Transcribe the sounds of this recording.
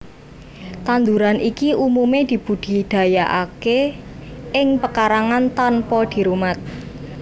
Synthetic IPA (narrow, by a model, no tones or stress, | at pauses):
t̪and̪uɾanikiʔumumed̪̥i̤b̥ṳd̪̥i̤d̪̥ä̤jaʔake | ɪŋpəkaɾaŋant̪anpɔd̪̥i̤ɾumat̪̚